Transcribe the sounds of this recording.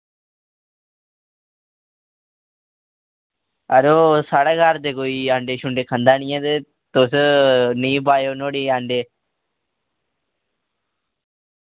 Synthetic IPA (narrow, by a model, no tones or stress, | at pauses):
əɾoːsaːɽaːɡaːɾd̪eːkoːiːãːɳɖeːʃʊɳɖeːkʰənd̪aːɳɪjãːt̪e | t̪oːsnĩːbaːjoːnoːɽiːãːɳɖeː